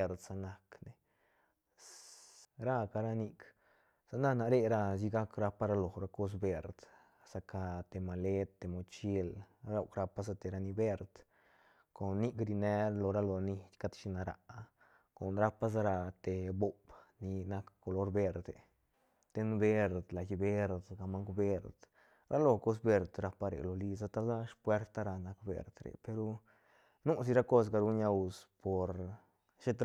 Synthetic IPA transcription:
ɾd̪sa˧na˧kne˨ | ɾa˦˧ka˧ɾa˦ni˧k | sa˧na˦na˨ɾe˦ɾa˧s̬i˧ɡa˦kɾa˧pa˦ɾa˧lo˨ɾa˧ko˧˦s̬be˧ɾd̪̥ | sa˧ka˧t̪e˨ma˨le˦t̪ːe˨mo˨t͡ʃi˦lɾa˧˦wkɾa˧pa˦sa˧t̪e˨ɾa˧ni˧be˦ɾd̪ | ko˨nːi˦kɾi˧ne˧˦ɾlo˨ɾa˦lo˨ni˧t̪ʲka˦t̪ʃi˧na˨ɾa̰˨˧ʔ | ko˨nɾa˦pa˦s̬a˧ɾa˧t̪e˨bo˧bni˧na˧kkːo˧lo˦ɾbe˧ɾd̪e˨ | t̪e˧nbe˧ɾd̪la˨ji˧be˦ɾd̪ɡa˧ma˦ŋkbe˧ɾd̪ | ɾʔa˦lo˧ko˦s̬be˧ɾd̪ɾa˧pa˧ɾḛ˨lo˨li˧sa˧t̪a˦la˦ʂpwe˧˦ɾt̪a˦ɾa˧na˧kbḛ˨ɾd̪ɾḛ˨pe˧ɾu˧ | nu˦s̬i˧ɾa˦ko˦s̬ɡa˧ɾu˧˦ɲa˧wspo˨ɾ | ʃe˦t̪

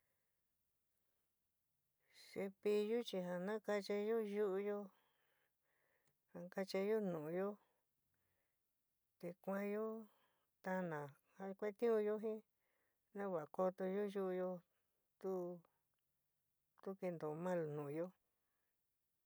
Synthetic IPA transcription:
se˧pi˧ju˦t͡ʃi˧ɦa˧nã˦ka˧t͡ʃa˧jo˦ju˦ʔu˧jo˦ | hã˧ka˧t͡ʃa˧jo˦nũ˨˧jo˦ | t̪e˧kʷã˧jo˦ | t̪a˧nã˨ | ha˧kʷe˦t̪ĩ˦ũ˧jo˦ɦĩ˦ | nã˦βa˨a˨ko˧t̪o˧ju˦ju˦ʔu˧jo˧ | t̪u˦ | t̪u˦ke˧nd̪o˨˧mã˦lnũ˨˧jo˦

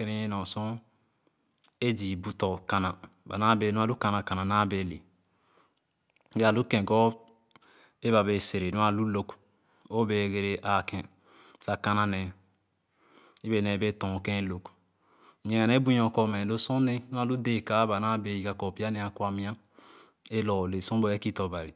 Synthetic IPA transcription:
e˦ne˦je˦nɔ̃˨sɔ̃˦ | e˦di˨bu˦tɔ˨ka˨na˨ba̰˨na˦be˨˦nũ˦a˦lu˦ka˨na˨ka˨na˨na˦be˨lḛ˨ | ɡa˨lu˦kɛ̃˨ɡɔ˦ | e˦ba˨be˨se˨ɾe˨nũ˦a˨lu˦lo˦k | o˦be˨ɡe˨ɾe˨ʔa˨kɛ̃˨ | sa˦ka˦na˦nɛ˨ | i˦be˨nɛ˨be˦tɔ̃˨kɛ̃˦lo˨k | ɲẽ˨ŋa˨ne˦bũ˦ɲ˦ɔ̃˨kɔ˨mɛ̃˨lo˦sɔ̃˦ne˦nu˦a˦˨lu˦de˦˨ka˦ba˨na˦be˨ji˨ɡa˨kɔ˨pi˦a˦nɛ˨a˨ku˦a˨mĩ˦ã˦ | e˦lɔ˨le˨sɔ̃˦bo˨e˦ki˦tɔ˨ba˨ɾi˨

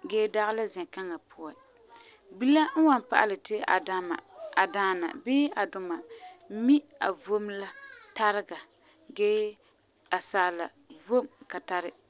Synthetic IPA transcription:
ɡɛː˦da˦ɣɪ˦la˦zɛ˨ŋka˦ŋa˨pʰʊ˦a˨ | bi˦la˦n̩˦wa˨npa̰˨ʔa̰˦˨lɨ˨tɪ˦a̰˨a˦ma̰˨a˨daː˦na̰˨bɪː˦a˨dʊ˨ma˨˦mi˦a̰˨vo˦mla˦ta˦ɾɪ˦ɡa˨ | ɡɛː˦ | a˨saː˨la̰˨ | vo˦˨mka˨ta˦ɾɪ˦

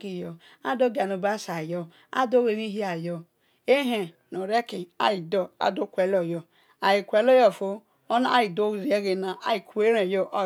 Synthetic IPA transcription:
ki˦jɔ˨ | a̰˦do˦ɡa˨no˨ba˦sa˨jɔ˦ | a̰˦do˦we˨ɾi˦ɦi˦a˨jɔ˨ | e˦ɦe˨ | no˨ɾe˦ki˨a̰˨ji˨do˦a̰˨do˦kʷe˨lo˨jɔ˨ | a˨ji˨kʷe˨lo˦jɔ˦˨fo˦ | o˦na˦a˦ji˨do˦˨zi˨je˦ɡe˨na˨ʔa˨ji˨ku˨e˦ɾe˨jo˦ʔo˦

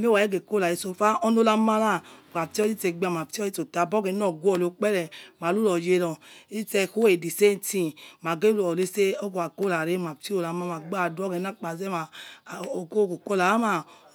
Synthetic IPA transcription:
m˦e˦wa˨e˦ɡe˨ko˦la˨i˨so˧fa˦ʔɔ˦no˦la˦ma˦la˦˨ka˨ti˦ɔ˦i˦tɛ˨ɡ͡ba˨ma˨pti˦ɔ˦i˦to˨ta˨bɔ˦ɡɛ˨˦n˦ɔ˨ɡu˦ɔ˨lo˨˦k͡pɛ˦lɛ˨ma˨lu˦lɔ˨je˧lɔ˨i˦tɛ˧˨ko˦e˨di˨se˦n˦ti˦ma˨ɡe˦˨ɔ˨le˦se˦o˦ko˨a˨ko˦la˨ɾe˦ma˨pti˦o˨la˨ma˦ma˨ɡ͡ba˦˨du˦ɔ˦ɡɛ˨˦na˦k͡pa˨zɛ˦ma˨o˨ko˦ko˨ko˦la˨la˦ma˦˨

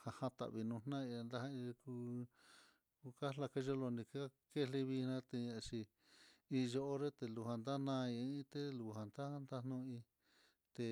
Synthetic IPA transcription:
ha˧hã˧t̪a̰˨ʔβi˧nũ˧nnã˦i˧nd̪a˧ha˦i˧ku˧ | kka˦la˧ke˦ʒo˦lo˧nĩ˧ka˦ | ke˦˧le˧βi˧nã˦t̪e˧a˧t͡ʃi˧ | i˧ʒo˧ʔo˦ɾe˦t̪e˧lu˧˨hã˧nd̪a˦nã˦˧ĩ˧˦ĩ˦t̪e˦lu˨hã˨nd̪a˦nd̪a˦nũ˧ĩ˧ | t̪e˧

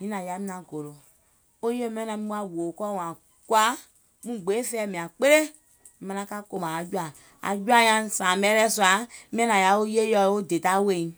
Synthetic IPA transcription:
mĩ˦nã˨ja˨˦mĩ˦nã˧ɡo˨lo˨ | o˦je˦mɛ̃˦nã˧mĩ˦u˦a˨wo˨kɔ˦˨wã˨ | kwa˦ | mũ˦ɡ͡be˨˦fɛː˨mĩ˨ã˨k͡pe˦ɾe˦ | mã˧nã˧˦ka˦ko˧mã˨a˨d͡ʒu˦a˨ | a̰˨d͡ʒu˦a˦ɲã˧˦sãː˨mbɛ˦lɛ˦su˦a˨˦mɛ̃˦nã˨ja˨˦o˦je˦jɔ˧˦o˦de˨ta˦we˦˨ĩ˨˦

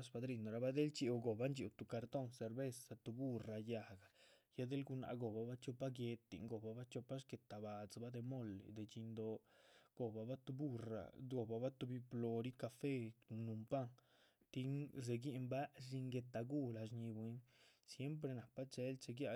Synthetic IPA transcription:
sba˧d̪ɾi˧nd̪o˨ɾa˧ba˦d̪e˦lt͡ʃi˧ɡo˨ba˦nd͡ʒi˧˨t̪u˨ka˧ɾt̪o˦ŋse˨ɾbe˦sa˧t̪u˧bu˦ra˧ja˧˨ɡa˨ja˦d̪e˦lɡu˧na̰˨˧ʔɡo˨ba˨ba˦t͡ʃo˧pa˦ɡje˧t̪ːḭ˨ŋɡo˨ba˧ba˦t͡ʃo˧pa˦ʃke˨t̪a˨ba˨t͡sba˦d̪e˧mo˦˨l̰d̪e˨t͡ʃi˧nd̪o˧ɡ̥o˨ba˨ba˦t̪u˧bu˦ra̰˨ɡo˨ba˧ba˦t̪u˧bi˧plo˧ɾi˦ka˧fe˦˨nu˨mpa˦ŋ | t̪i˦ŋz̬e˨ɡi˦ʔmba˦ʐi˧ŋɡe˧t̪a˧ɡu˦la˧ʃɲi˧bwi˧˦nsje˦mp̬ɾe˧na˨pa˦t͡ʃe˧lt͡ʃe˧ɡja˧

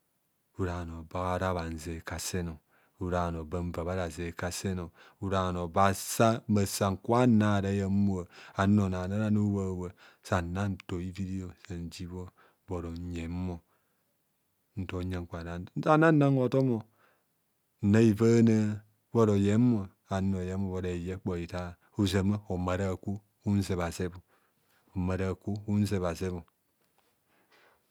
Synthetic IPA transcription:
u˦ɾa˨no˨ba˦a˦ɾa˦βa˨n̩˨ze˨ka˨se˦no˨ | u˦ɾa˨no˨ba˦m˦va˨βa˦ɾa˨ze˨ka˦se˦no˨ | u˦ɾa˨no˨ba˦sa˦ma˨sa˨ŋ̩˨kwa˦na˨˦˨ɾa˨˦ja˨˦mu˦o˨a˨˦no˨na˨na˦ɾa˦nu˦wa˦˨wə˨ | sa˨na˦n˨to˨i˦vi˦di˦o˨sa˨n˨d͡ʒi˦βo˦ | bo˨ɾo˨ɲe˨m˦mo˨ | n̩˨to˨˦ɲa˨ŋ˨ka˨da˨˦sa˦na˦n˦a˦ŋo˨to˦mo˨ | n̩˨na˦i˨fa˦na˦ | bo˦ɾo˨je˨˦mo˨ | a˨˦o˨je˨˦mo˨βo˨da˨je˦k͡po˨i˨ta˦˨ | u˦s̬e˨ma˦o˨ma˨ɾa˦˨ku˦ | u˦n̩˦se˨βa˨se˦bu˨ | o˨ma˨ɾa˨ku˦u˦n̩˦s̬e˨βa˨se˦βu˨

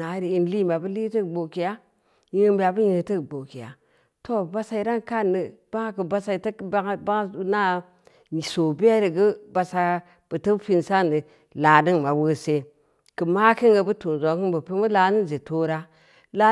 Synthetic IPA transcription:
na˨˦ɾi˨i˦n˦li˦ma˨bu˦li˦tə˦˨ɡ͡bo˨ki˨ja˦ | ji˦mbi˦ja˨bu˦ji˦˨ti˦kɡ͡bo˨ki˨ja̰˨ | to˦˨ba˦sa˦i˨ɾa˦nka˦˨nːə˨b̥a˦ŋ˦kɨ˨ba˦sa˦i˨tba˦ŋ˦ba˦na˦˨ | so˨bi˦a˦ɾi˨ɡə˦ba˨sa˦ | b̥ə˨tə˦fi˦nsa˦ni˨ | la˨ni˦ŋma˨wə˦se˦ | kə˨ma˦ki˦ŋɡa˨bu˦tu˨n˨zo˨˦kɨ˦nbə˨pi˦mu˦la˨ni˦n˨ze˨to˦ɾa˦ | la˦

